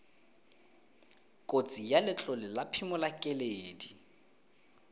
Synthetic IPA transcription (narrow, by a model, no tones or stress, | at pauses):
kʼot͡sʼijalɪt͡ɬɔlɪlapʰimʊlakʼɛleːdi